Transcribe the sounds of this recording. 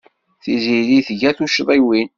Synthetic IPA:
θiziɾiθʝæθuʃðˤiwin

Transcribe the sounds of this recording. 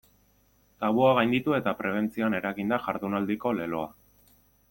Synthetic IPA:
t̪aβuaɣajnd̪it̪ue̞t̪apɾe̞β̞e̞nt͡sioane̞ɾaɣind̪aʝaɾðunald̪iko̞le̞lo̞a

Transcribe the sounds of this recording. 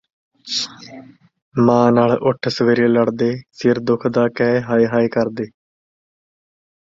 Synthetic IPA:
mãːnaːɭʊʈʰsəʋeːɾẽːləɽd̪eːsɪɾd̪ʊkʰd̪aːkɛːɦaːiɦaːeːkəɾd̪eː

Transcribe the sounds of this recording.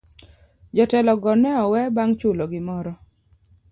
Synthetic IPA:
d͡ʒɔtɛlɔɡɔnɛɔwɛbaŋt͡ʃʊloɡɪmɔɾɔ

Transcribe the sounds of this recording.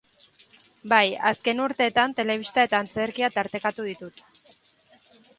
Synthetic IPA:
bajaske̞nuɾt̪e̞ːt̪ant̪e̞le̞β̞ist̪aet̪aːnt͡se̞ɾkiat̪aɾt̪e̞kat̪uð̞it̪ut̪

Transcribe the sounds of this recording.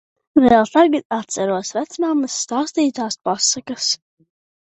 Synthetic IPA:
vɛːlˠt̪aɡat̪at̪sɛɾuɔsvɛt̪smamɨsːt̪aːst̪iːt̪aːspɔsakɐs

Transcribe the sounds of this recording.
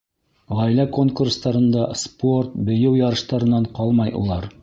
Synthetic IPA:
ʁɑjlæko̞ŋkurst̪ɑɾɤ̆nd̪ɑspo̞rt̪̚bɵ̆jɘwjɑɾɤ̆ʃt̪ɑɾɤ̆nːɑɴqɑlˠmɑjʔṵlˠɑɾ

